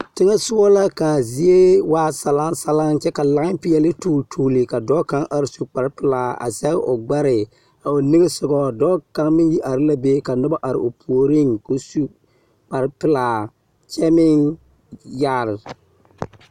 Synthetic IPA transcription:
tɪ˦ŋɛ˦sʊ˦ɔ˦la˦ka˨zɪ˦e˦waː˦sa˨la˦ŋsa˨la˦ŋt͡ʃɛ˦ka˨la˨ɣɪ˦m˦pɪ˦jɛ˨lɪ˦tuː˦˨ltʰuː˨lɪ˨ka˨dɔː˦ka˦ŋʔa˨ɾɪ˨su˨k͡pa˨ɾpɪ˨laː˨a̰˨sɛ˦ɣɪ˦ʔʊ˨ɡ͡ba˦ɾɪ˨ | a˨o˨nɪ˦ɡɪ˦sʊ˨ɡɔ˨dɔː˦ka˦ŋmɪ˦ji˦ʔa˨ɾɪ˦la˦be˦ka˨nʊ˦ba˦ʔa˨ɾɪ̰˨ʔʊ˨pʰu˨o˨ɾɪ˦ŋko˨su˦ | k͡pa˨ɾpɪ˨laː˨ | t͡ʃɛ˦mɪ˦ŋ | ja˦˨ɾɪ˨

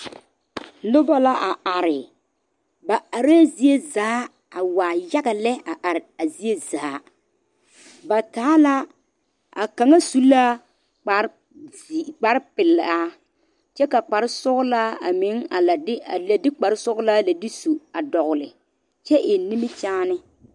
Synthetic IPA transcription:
lʊ˦ba˦la˦ʔa˨a˨ɾɪ˨ | ba˨a˨ɾa˦zi˦e˦zaː˨˦ | a˨waː˨ja˦ɡa˨lɛ˦a˨ʔa˨ɾɪ˨a˨zi˦e˦zaː˨˦ | ba˨taː˨˦la˦ | a̰˨ka˨ŋa˦su˦la˦ | k͡pa˨˦ɾ | k͡pa˨ɾpɪ˨la˦ | t͡ʃɛ˦ka˨k͡pa˨ɾɪ˦sʊ˦ɣʊ˦laː˦a̰˨mɪ˨˦ŋa˨la˨˦a˨la˨dɪ˦k͡pa˨ɾɪ˦sʊ˦ɣʊ˦la˦la˨dɪ˦su˨a˨dɔ˨ɣʊ˨lɪ˨ | t͡ʃɛ˦ʔɪ˨ni˦mɪ˦t͡ʃaː˦nɪ˦

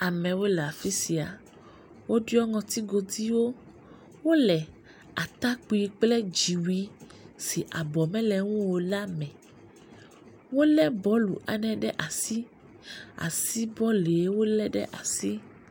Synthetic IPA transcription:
a˨mɛ̃˨wo˦lɛ˨a˨fi˦si˨a˨ | wo˦ɖu˦ɔ˦ŋɔ̃˨t̪i˦ɡo˨d̪i˦wo˦ | wo˦lɛ˨ | a˨t̪a˦k͡pu˨i˨k͡plɛ˦d͡ʒi˨wi˦ | si˨ʔa˨bɔ˨mɛ̃˦lɛ˨ŋũ˦wo˨la˦mɛ̃˨ | wo˦lɛ˦bɔ˨˦lṵ˨ʔa̰˨nɛ̃˨ɖɛ˦ʔa˨si˦ | a̰˨si˦bɔ˦le˨e˦wo˦lɛ˦ɖɛ̰˦ʔa˨si˦

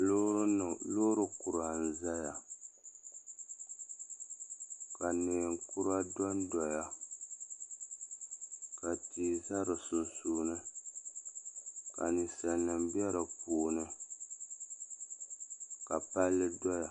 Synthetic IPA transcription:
lo˦ɾɨ˦nɨ˨loː˦ɾɨ˨ku˨ɾa˨n̩˨za˦ja˨ | ka˨neː˨ŋku˦ɾa˦dɔ˦ndɔ˨ja˦ | ka˨tiː˨za˦ɾɨ˨su˨nsuː˦nɨ˦ | ka˨ni˨sa˨nːɨ˨m˦bjɛ˦ɾɨ˨puː˨nɨ˦ | ka˨pa˦lːɨ˦dɔ˦ja˨

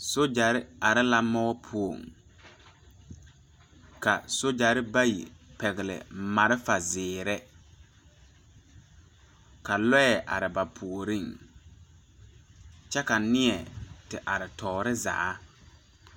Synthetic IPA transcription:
so˦d͡ʒa˨ɾɪ˦a˨ɾɪ˦la˦mɔ˦pʰu˦o˨ŋ | ka˨so˦d͡ʒa˨ɾɪ˦ba˦jḭ˨pɛ˨ɣɪ˨lɪ̰˨ma˨ɾɪ˦fa˨zɪː˨ɾɛ˦ | ka˨lɔ˦jɛ˨ʔa̰˨ɾɪ˨ba˨pʰu˨ɾi˦˨ŋ | t͡ʃɛ˦ka˨nɪ˦ɛ˨tɪ˨ʔa˨ɾɪ˨tʰɔː˨ɾɪ˦za̰˨ʔa˦

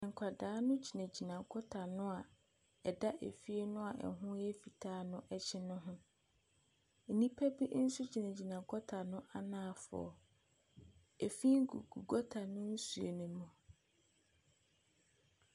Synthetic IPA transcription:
ɛ˨ŋ̩˨kʷʰa˨daː˨˦nʊ̃˦t͡ɕʰi˨næ̃˨d͡ʑi˨nã˨ɡɔ˦tʰa˨nʊ̃˦a˨ | ɛ˨da˦ʔḛ˨fi˦e˦nʊ̃˦a˨ʔɛ̰˨ɦʊ̃˦jɛ˦fi˨tʰaː˦nʊ̃˦ʔɛ˦t͡ɕʰɪ˦nʊ̃˦ɦʊ̃˦˨ | nĩ˦pʰæ˦bi˦n̩˦su˦t͡ɕʰi˨næ̃˨d͡ʑi˨nã˨ɡɔ˦tʰa˨nʊ̃˦ʔa˦nãː˦˨fʊ̰˨ɔ̰˨ | e˨fi˦ŋ˦ɡṵ˨ɡṵ˨ɡɔ˦tʰa˨nʊ̃˦n̩˦su˨ḛ˨nʊ̃˨mʊ̃˨

